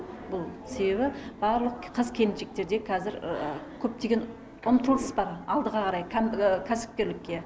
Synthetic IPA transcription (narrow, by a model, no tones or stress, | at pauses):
bʊlˠse̞be̞βɪb̥ɑɾlˠəqqʰəzkʲʰe̞nnʃe̞k̚t̪e̞ɾd̪e̞kʲʰæzɪɾkʲʰɵp̚t̪e̞ɡʲe̞n | ʊmət̪əlˠd̪əsbɑɾɑlˠd̪əʁɑqɑɾɑjkʲʰæmkʲʰæsɪ̥p̚kʲe̞ɾlɪkʲːe̞